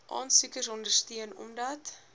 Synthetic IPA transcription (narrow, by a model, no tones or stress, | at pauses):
ʔɑ̰ːnsʉkəsɔndərstyənɔ̰mdɐt